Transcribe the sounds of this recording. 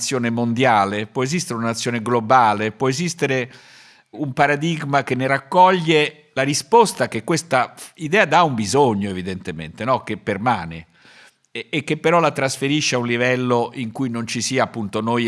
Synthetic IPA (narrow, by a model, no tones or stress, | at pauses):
t̪sːjoːnemond̪jaːlepwɔezist̪eɾunanat̪sːjoːneɡlobaːlepwɔezist̪eɾe | umpaɾad̪iɡmakenːeɾakːɔʎːe | laɾispɔst̪ak̟ekːwest̪aid̪ɛːad̪aumbizoɲːoevid̪ent̪emḛnt̪enɔk̟epːermaːne | kːepːeɾɔlat̪ɾasfeɾiʃːeaunlivɛlːoʔiŋkujnont͡ʃisiːaːpːunt̪onoj